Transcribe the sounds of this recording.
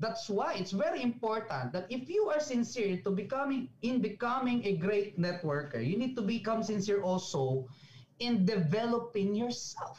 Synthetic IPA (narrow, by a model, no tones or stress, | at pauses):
d̪at̪swajɪt̪svɛɹiɪ̃mpɔɹt̪ɐ̃nt̪̚d̪ɐt̪ɪfjuaɹsɪ̃nsɪɹt̪ʊbɪkʌmɪ̃ŋʔɪ̃nbɪkʌmɪ̃ŋɛɡɹeɪt̪̚nɛt̪̚wəɹkɛ̰ɹjunid̪̚t̪ʊbikʌ̃msɪ̃nsɪɹʔɔlso | ɪ̃nd̪ɪvɛlɔpɪ̃ŋjɔɹsɛlf